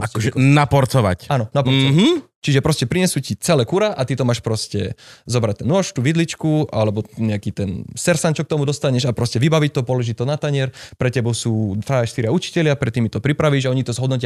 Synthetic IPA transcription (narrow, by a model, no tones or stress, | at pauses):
akɔʒɛnapɔɾt͡sɔʋa̰canɔnapɔɾt͡sɔɦ | t͡ʃiʒɛpɾɔscɛpɾiɲɛsuːcit͡sɛlɛːkuɾaʔat̪it̪ɔmaːʃpɾɔscɛ̰zɔbɾac̚t̪ɛnɔʃt̪uːʋid̪lit͡ʃkuʔalɛbɔɲɛakiːt̪ɛnsɛɾsant͡ʃɔk̚t̪ɔmud̪ɔst̪aɲɛʒapɾɔscɛʋibaʋic̚t̪ɔpɔlɔʒict̪ɔnat̪aɲɪɛɾpɾɛcɛbɔʊsuːfaʃt̪iɾɪaut͡ʃi̥cɛʎɪapɾɛt̪ːimit̪ɔpɾipɾaʋiːʒaɔɲit̪ɔzɦɔd̪nɔc̬ɪa